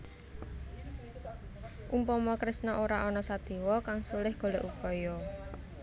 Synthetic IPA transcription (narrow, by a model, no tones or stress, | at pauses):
ʔumpɔmɔkɾɪsnɔʔoɾaʔɔnɔsad̪̥e̤wɔkaŋsulɪhɡ̥o̤leʔupɔjɔ